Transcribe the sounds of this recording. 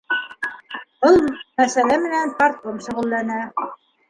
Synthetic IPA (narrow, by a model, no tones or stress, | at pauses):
b̥ɤlˠmæsælæmɘ̆nænpaɾt̪omʃŏʁɤ̆lˠːænæ